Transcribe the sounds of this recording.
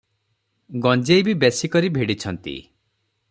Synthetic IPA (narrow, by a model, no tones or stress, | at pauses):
ɡɔ̃nd͡ʒejbibesikɔɾibʱeɽit͡ʃʰɔnt̪ḭ